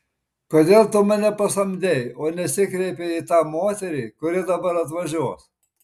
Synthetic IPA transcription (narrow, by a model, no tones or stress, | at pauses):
koːd̪ʲeːlˠt̪ʊmɐnʲɛpɐsɐmʲd̪ʲɛɪoːnʲɛsʲɪkɾʲɛɪpʲeit̪ɑːmoːt̪ʲɛɾʲiːkʊɾʲɪd̪ɐbɐɾɐt̪ʋɐʒʲuɔs